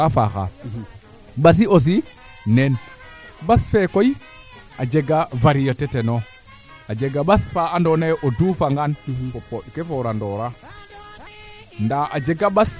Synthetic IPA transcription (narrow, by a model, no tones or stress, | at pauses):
afaxa̰ | ɓas̬ios̬i | nɛn | basfɛkoji | ad͡ʒeɡavaɾijotɛteno | ad͡ʒeɡaɓasfaandoneʔodufaŋɡanpopoɗkefoɾandɔɾa | ndaʔad͡ʒeɡaɓas